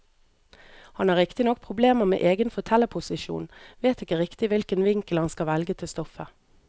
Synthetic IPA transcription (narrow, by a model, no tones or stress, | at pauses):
hɑnæːʁɪkt̪ɪnɔk̚pʰʁʊbleːməʁmḛːʔeːɡənfɔʁt̪ʰɛləpʰʊsɪʃṵːnʋeːt̪ɪkəʁɪkt̪ɪʋɪlkənʋɪŋkl̩hɑnskɑʋɛlɡət̪ʰɪlst̪ɔfə